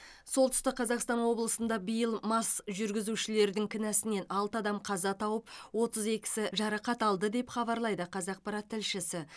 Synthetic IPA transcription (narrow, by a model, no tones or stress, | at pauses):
so̞lˠt̪ʰʏ̥st̪əqʰːɑzɑqst̪ɑnwo̞blˠəsənd̪ɑbijəlˠmɑsʒʏɾɡʲɪzuʃɪle̞ɾd̪ɪŋkʲʰɪnæsɪne̞nɑlˠt̪əɑd̪ɑmqʰɑzɑt̪ʰɑwəp̚wo̞t̪əze̞kʲɪ̥sɪʒɑɾɑqɑt̪ɑlˠd̪əd̪e̞pχɑβɑɾlˠɑjd̪əqʰɑzɑq̚pɑɾɑt̪ʰːɪlʃɪsɪ